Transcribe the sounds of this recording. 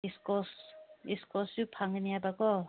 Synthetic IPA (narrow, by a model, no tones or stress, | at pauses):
iskɔsiskɔsupʰaŋɡinijabakɔ